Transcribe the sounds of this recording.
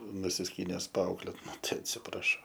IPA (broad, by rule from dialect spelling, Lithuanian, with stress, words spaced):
nʊsʲɪsʲˈkʲiːnʲɛs pɐˈɐʊklʲeːt ˈnʊ ˈtɐɪ ɐtʲsʲɪprɐˈʃɐʊ